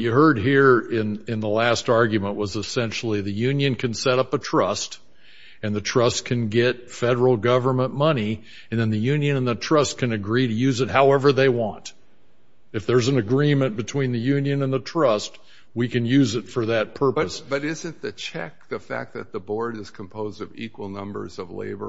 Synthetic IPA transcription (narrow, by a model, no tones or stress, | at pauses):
t͡ʃɨɦɜ˞d̚ɦiɹɪ̃nɪ̃nðəlæstɑɹɡjɨmə̃nʔwʌzəsɛ̃nʃl̩ˠiðɨjʉ̃njɨ̃nkʰɨ̃nsɛɾʌpətʰɹ̥ʌst | ɨ̃nðɨtʰɹ̥ʌskʰɨ̃nɡɛt̚fɛɾə˞l̩ˠɡʌvə˞mə̃nmʌni | ɨ̃nðɨ̃nðɨjʉ̃njɨ̃nə̃nðɨtʰɹ̥ʌskʰɨ̃nɨɡɹiɾɨjʉzɨt̚haʊɛvə˞ðeɪwɑ̃nt | ɨfðə˞z̃n̩ɨɡɹĩmɨ̃nb̥ɨtʰw̥ĩnðɨjʉ̃njɨ̃nə̃nðətʰɹ̥ʌst̚ | wikɨ̃njʉzɨtfə˞ðɨt̚pʰɜ˞pɨsb̥ʌɾɪzɨ̃nðɨt͡ʃʰɛ̰k̚ðɨfæ̰k̚ðɨt̪̚ðəbɔɹɾɨz̥kʰm̩pʰoʊzdʌvḭkwl̩ˠnʌ̰̃mbə̰˞zʌvlḛɪbə̰